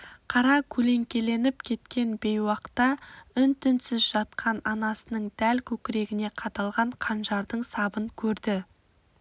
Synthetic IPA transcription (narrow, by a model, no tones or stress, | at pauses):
qʰɑɾɑkʲʰɵle̞ŋkʲe̞le̞nɪpkʲʰe̞t̪kʲe̞nbe̞jwɑqt̪ɑʏnt̪ʰʏnsɪzʒɑt̪qʰɑnɑnɑsənəɴd̪̥ælkʲʰɵkʲɪɾe̞ɡʲɪne̞qʰɑt̪ɑlˠʁɑɴqʰɑnʒɑɾd̪əɴsɑbəŋkʲʰɵɾd̪ɪ